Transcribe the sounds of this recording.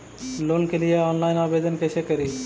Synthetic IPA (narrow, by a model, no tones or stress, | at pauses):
lonkelijaɔnlajnabed̪ɔnkeʃekəɾi